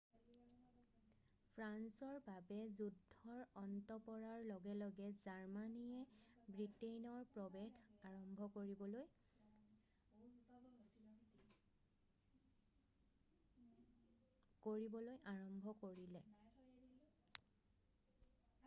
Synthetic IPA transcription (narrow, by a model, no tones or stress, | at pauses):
pʰɹansɔɹbabɛzudʱːɔɹɔntɔpɔɹaɹlɔɡɛlɔɡɛzaɹmanijɛbɹitejnɔɹpɹɔbɛɡʰaɹɔmbʱɔkoɹibɔloj | koɹibɔlojʔaɹɔmbʱɔkoɹilɛ